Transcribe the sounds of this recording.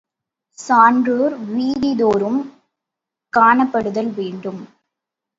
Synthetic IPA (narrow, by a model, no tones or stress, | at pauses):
saːɳɖroːɾʋiːɽɪðoːɾɯm | kaːɳɐpːɐɽɯðɐlʋeːɳɖɯm